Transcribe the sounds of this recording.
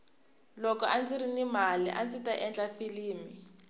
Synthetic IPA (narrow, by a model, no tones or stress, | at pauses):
lɔkɔʔand͡ziɾinimaliʔand͡zitaʔɛnd͡ɮafiliːmi